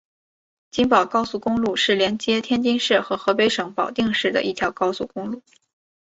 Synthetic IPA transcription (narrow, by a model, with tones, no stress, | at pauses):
t͡ɕi˥ŋpɑ˨˩ʊkɑ˥ʊsu˥˩kʊ˥ŋlu˥˧ʂɻ̩˥˩ljɛ˧˥nt͡ɕjɛ˥t̪ʰjɛ˥nt͡ɕi˥ŋʂɻ̩˥˩xɤ˧˥xɤ˧˥pe˧˥ɪʂɤ˧˥ŋpɑ˨˩ʊt̪i˥˧ŋʂɻ̩˥˩d̪ə̰˩ʔi˥˩t̪ʰjɑ˧˥ʊkɑ˥ʊsu˥˩kʊ˥ŋlu˥˩